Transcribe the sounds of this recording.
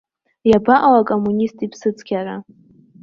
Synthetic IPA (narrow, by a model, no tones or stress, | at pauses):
jabaʔawakʼomːunʲistʼipʰsɨt͡sʰʼɡʲaɾa